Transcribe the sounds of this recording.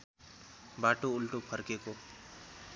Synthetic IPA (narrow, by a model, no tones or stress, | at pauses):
baʈoːlʈopʰəɾkeko